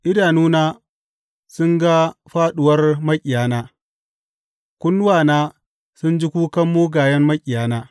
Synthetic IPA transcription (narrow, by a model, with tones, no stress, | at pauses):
ʔɪ˦daː˨nuː˦naː˦ | sʊ˦ŋɡa˦ɸaː˦ɗʊ˨wɐ˦rmɐ˦kʲʼɪ˨jaː˨˦naː˦ | kʷʊ˦n˦waː˨naː˦ | sʊ˦nd͡ʒɪ˦kʷuː˦kɐ˦mːoː˦ɡaː˨jɐ˦mmɐ˦kʲʼɪ˨jaː˨˦naː˦